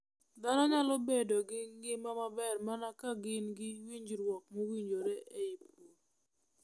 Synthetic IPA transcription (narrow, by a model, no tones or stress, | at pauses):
d̪anɔɲalobedoɡɪɡɪmamabɛrmanakaɡɪnɡɪwiɲd͡ʒɾwɔk̚mowiɲd͡ʒoɾɛʔeip̚wo